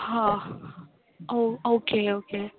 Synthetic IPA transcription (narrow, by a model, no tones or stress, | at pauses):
hã | ookʰeoke